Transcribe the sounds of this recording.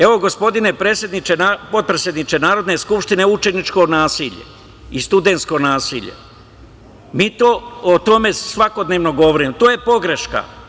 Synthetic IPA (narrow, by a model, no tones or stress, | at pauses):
e̞ʋo̞ɡo̞spo̞d̪inepɾesje̞d̪nit͡ʃenapo̞t̪̚pɾesje̞d̪nit͡ʃ̪e̞naːɾo̞d̪ne̞skupʃt̪ine̞ut͡ʃe̞nit͡ʃko̞naːsiʎe̞̰ | ist̪ud̪ensko̞naːsḭʎḛ | miːt̪oːot̪o̞me̞sʋako̞d̪neʋno̞ɡo̞ʋoɾiːmt̪oːjepo̞ɡɾe̞ʃka̰